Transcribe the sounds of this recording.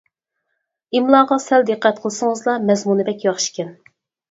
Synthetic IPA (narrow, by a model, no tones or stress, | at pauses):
imlˠɑːʁɑsæld̪ɨqːæt̪̚qʰəlˠɨsɨŋəzlˠɑmɛzmunɪbɛkʲjɑχʃi̥kʲʰɛn